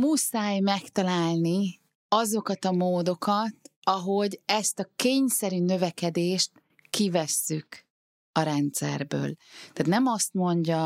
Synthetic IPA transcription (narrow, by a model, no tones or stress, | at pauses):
musaːjmɛkt̪ɒlaːlni | ɒzo̞kɒt̪ɒmoːd̪o̞kɒt̪ɒɦo̞ɟɛst̪ɒkeːɲsɛɾynø̞vɛkɛd̪eːʃt̪ | kivɛsːyk | ɒɾɛnt̪sɛ̰rbø̰ːlt̪aːt̪nɛmɒst̪mo̞ɲɟɒ